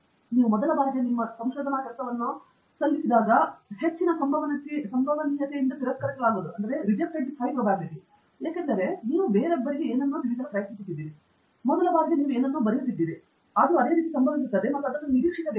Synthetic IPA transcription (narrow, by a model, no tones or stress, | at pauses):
niːʋumɔd̪ɐlɐbaːɡɡ̪enimːɐsɐmʃoːd̪ʱɐnɐkɐlsɐʋɐnːu | sɐlːisid̪aːɡɐhe̞t͡ʃːinɐsɐmbʱɐʋɐnɐsisɐmbʱɐʋɐnijɐt̪eind̪ɐt̪iɾɐskɐɾɐkːɐlaːɡoːd̪uɐnd̪ɐɾe̞ɾid͡ʒɐk̚ʈɐɳʈipʰɐjpɾɐːbʱaːɡit̪i | eːkend̪ɐɾe̞niːʋubeːɾeɐbːɐɾiɡeeːnɐnːuːd̪iʋiːd͡ʒɐnɐpɾɐjɐsisut̪ːid̪ːiːɾi | mɔd̪ɐlɐbaːɡɐɡ̪eniːʋueːnɐnːuːbɐɾɐjut̪ːid̪ːiːɾi | ɐd̪ɐɾuɐd̪e̞ːɾiːt̪isɐmbɐnd̪is̬ut̪ːɐːd̪emɐʈːuɐd̪ɾɐnːniɾiːkʂikɐd̪